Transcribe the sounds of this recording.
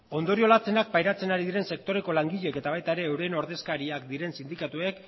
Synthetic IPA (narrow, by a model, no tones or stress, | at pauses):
o̞nd̪o̞ɾio̞lat͡se̞nak̚pajɾat͡se̞naɾiðiɾe̞nse̞k̚t̪o̞ɾe̞ko̞laŋɡiʎe̞ke̞t̪aβ̞ajt̪ae̞ɾe̞ːwɾe̞no̞ɾðe̞skaɾiakd̪iɾe̞nsind̪ikat̪ue̞k